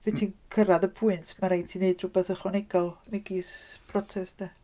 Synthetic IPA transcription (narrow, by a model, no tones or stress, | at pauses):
vintʰinkʰəɾaðəpʰʊɨntʰmaɾajtʰineɨdrʊbɛθəχɔnɛɡɔlˠnɛɡisb̥ʰrɔtʰɛstɛ